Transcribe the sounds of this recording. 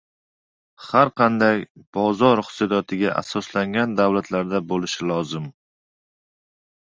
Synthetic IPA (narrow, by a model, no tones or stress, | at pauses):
haɾqʰɑnd̪ajb̥ɒzɒɾχsɨd̪ɒt̪ʰɪɡʲaʔa̰sɒslaŋɡʲand̪awlat̪ʰlaɾd̪abolɪʃɪlˠɒzɪm